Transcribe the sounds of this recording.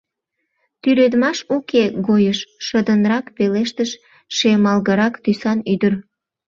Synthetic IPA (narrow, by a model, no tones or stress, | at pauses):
t̪yɾød̪mɑʃukeɣojəʃʃəd̪ənɾɑkpeleʃt̪əʃ | ʃemɑlɣəɾɑkt̪ysɑnyd̪ər